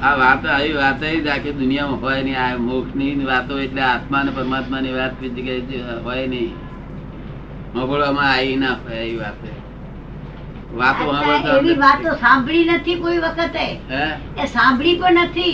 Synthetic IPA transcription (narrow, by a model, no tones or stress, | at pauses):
aʋat̪aʋiʋat̪eid͡ʒaked̪ʊnijamãɦojnəĩamokʃniniʋat̪oeʈleat̪manepəɾmat̪maniʋat̪pid͡ʒkad͡ʒɦojnəĩ | mə̃bəɭomãainapeiʋat̪e | ʋat̪oɦãaeʋiʋat̪ːosãmbɭinət̪ʰikoiʋəkʰət̪eɦɛ̃ | esãmbɭipəɳnət̪ʰi